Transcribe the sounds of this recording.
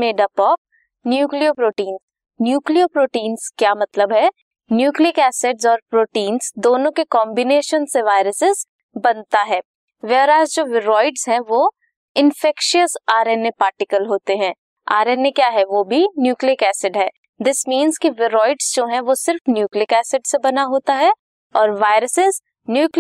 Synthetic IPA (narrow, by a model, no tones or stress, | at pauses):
meːɖɐpɔːp̚ | njuːkliopɾoːʈiːnz | njuːkliopɾoːʈiːnz̥kjaːmɐt̪ləbɦɛ | njuːkliəkɛːsɪɖzɔːɾpɾoːʈiːnzd̪oːnõkekɔːmbɪneːʃənseʋaːɪɾəsɪz | bɐnt̪aɦɛː | ʋeɦɾaːzd͡ʒoːʋɪɾɔːɪɖz̥ɦɛ̃ʋoː | ɪ̃nfɛkʃiəsaːɾeːnepaːɾʈɪkəlɦoːt̪eɦɛ̃ː | aːɾeːnekjaːɦɛʋoːbʱinjuːkliəkɛːsɪɖɦɛː | d̪ɪsmĩːnzkiʋɪɾɔːɪɖz̥d͡ʒoːɦɛ̃ʋosɪɾfnjuːkliəkɛːsɪɖsebɐnaɦoːt̪aɦɛ | ɔːɾʋaːɪɾəsɪz | njuːkl